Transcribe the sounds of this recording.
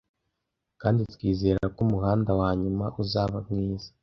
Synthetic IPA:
kaːnditwiːze̞ːɾakumuhaːndawaːɲumaʔuzaβamŋiːzḁ

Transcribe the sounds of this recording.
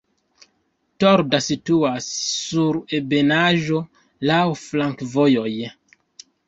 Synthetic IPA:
toɾdasituasːuɾe̞be̞naʒo̞ | lawflaŋkvojo̞j

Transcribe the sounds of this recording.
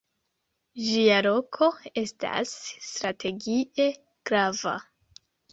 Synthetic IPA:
ʒialo̞kʰo̞e̞sta̰sːtɾatʰe̞ɡie̞ | ɡ̥ɾava̰

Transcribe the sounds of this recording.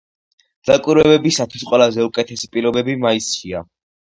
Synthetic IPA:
z̥akʼwiɾwɛbɛbisat̪ʰwisqʼwɛlazɛukʼɛt̪ʰɛsipʼilɔbɛbimaisʃia

